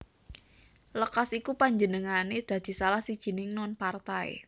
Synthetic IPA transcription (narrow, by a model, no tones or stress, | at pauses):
ləkasikupaɲd͡ʒənəŋaned̪̥ä̤d̪̥i̤salahsid̥ʒ̥i̤nɪŋnɔnpart̪aḛ